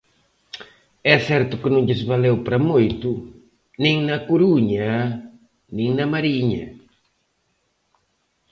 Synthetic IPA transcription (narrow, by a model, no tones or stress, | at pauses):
ɛsɛɾt̪ʊkɪnõʎɪzβalewpɾɐmojt̪ʊ | nẽŋnɐkuɾuɲɐ | nĩŋnɐmaɾiɲɐ̰